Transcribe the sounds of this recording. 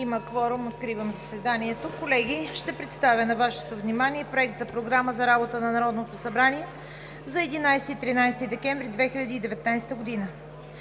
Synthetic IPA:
iməkvɔɾumot̪kɾivəmzɐsvɛd̪aniɛt̪okolɛɡʲiʃt̪ɛpɾɛt̪st̪avʲənɐvaʃɛ̥t̪ovnimaniɛpɾoɛkt̪zɐpɾoɡɾaməzɐɾabot̪ənɐnɐɾɔd̪not̪osɐbɾaniɛ | zɐɛd̪inajsɛt̪it̪ɾinajst̪id̪ɛkɛɱvɾid̪vɛxilʲɐd̪iːd̪ɛvɛt̪najst̪əɡod̪inə

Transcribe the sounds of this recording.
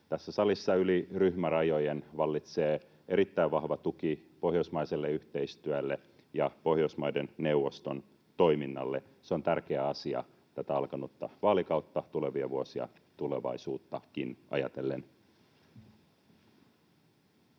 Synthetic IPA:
t̪æsːæsɑlisːɑyliryhmærɑjo̞jenʋɑlːit̪seː | e̞ɾit̪ːæiʋʋɑhʋɑt̪ukipo̞ɦjosmɑiselːeyht̪e̞ist̪yælːe | jɑpo̞hjosmɑjdenne̞uʋːost̪on | t̪o̞iminːɑ̰lːe | seo̞nt̪ærk̟eæɑsiɑ̰ | t̪æt̪æɑlkɑnot̪ːɑ̰ʋɑːlikɑwt̪ːɑt̪uleʋiɑʋuosiɑ̰ | t̪uleʋɑ̰isuːt̪ːɑkinʔɑ̰jɑ̰t̪elːen

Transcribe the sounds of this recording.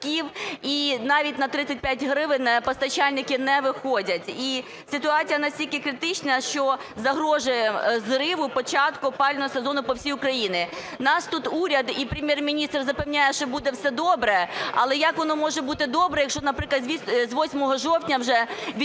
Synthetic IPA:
kʲiwinɑʋʲitʲnɐt̪ɾɪt̪sːɐt̚ʲpʲjatʲɦɾɪʋɪnɛpɐst̪ɐt͡ʃalʲnɪkɪnɛʋɪxɔdʲɐtʲi | sɪt̪ʊɑt͡sʲijɐnɐsʲtʲilʲkɪkɾɪt̪ɪt͡ʃnɐʃt͡ʃɔ | zɐɦɾɔʒʊjɛzrɪʋʊpɔt͡ʃɑt̪kʊpɑlʲnɔɦɔsezɔnʊpɔwsʲijʊkɾɐjinɪ | nɑst̪ut̪uɾʲɐd̪ipɾʲɪmʲjermʲinʲist̪rzɐpewnʲajɛʃt͡ʃɔbud̪ɛwsɛd̪ɔbɾɛɐ̰lˠɛjɐkʋɔnɔmɔʒɛbut̪ɪd̪ɔbɾɛjɐkʃt͡ʃɔnɐpɾɪklˠɐd̪zʋʲizʲʋɔsʲmɔɦɔʒɔwtʲnʲɐwʒɛʋʲ

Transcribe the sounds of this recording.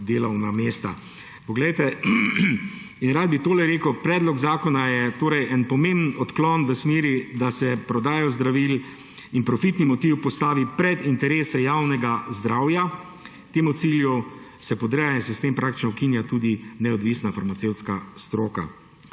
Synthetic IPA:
d̪eːlɔwnameːst̪a | pɔɡlɛjt̪ɛ | inɾad̪̚bit̪oːlɛɾeːkəwpɾɛːd̪lɔɡzaːkɔnajɛt̪oːɾɛjʔɛnpɔmembnɔt̪klɔnʋəsmeːɾid̪asɛpɾɔd̪aːjɔzd̪ɾaʋil | inpɾɔfit̪nimɔt̪iwpɔst̪aːʋipɾɛd̪int̪ɛɾeːsɛjawnɛɡazd̪ɾaːwja | t̪eːmut̪siːljusɛpɔd̪ɾɛjaɛnsɛst̪empɾʔakt̪i̥t͡ʃnɔʊkinjat̪uːd̪inɛɔd̪ʋisnafaɾmat̪sewt̪skast̪ɾoːka̰

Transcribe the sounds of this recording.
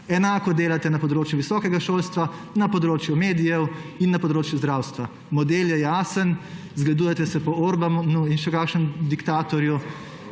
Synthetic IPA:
ɛnaːkɔd̪eːlat̪ɛnapɔd̪ɾoːt͡ʃjuʋisɔːkɛɡaʃoːlst̪ʋa | napɔd̪ɾoːt͡ʃjumeːd̪ijɛwinːapɔd̪ɾoːt͡ʃjuzd̪ɾaːwst̪ʋa | mɔd̪eːljɛjaːsən | zɡlad̪uːjɛt̪ɛsɛpɔoːɾbanuinʃɛkaːkʃnəmd̪ikt̪aːt̪ɔɾju

